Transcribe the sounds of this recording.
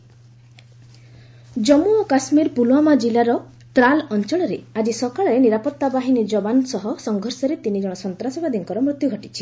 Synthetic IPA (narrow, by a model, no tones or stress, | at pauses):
d͡ʒɔmuɔkasmiɾpuluamad͡ʒilaɾɔ | t̪ɾalɔnt͡ʃɔɭ̃ɔɾead͡ʒisɔkaɭɔɾeniɾapɔt̪ːabaɦinid͡ʒɔbansɔɦɔsɔŋɡʱɔɾsɔɾet̪inid͡ʒɔɽ̃ɔsɔnt̪ɾasɔbad̪iŋkɔɾɔmɾut̪juɡʱɔʈit͡ʃʰi̥